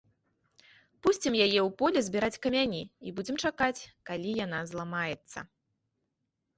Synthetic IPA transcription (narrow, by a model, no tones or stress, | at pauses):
pusʲt͡sʲimjajɛwpɔlʲɛzʲbʲiɾat͡sʲkɐmʲanʲiibud͡zʲɛmt͡ʂakat͡sʲkalʲijanazlˠamajɛt̪sːɐ̰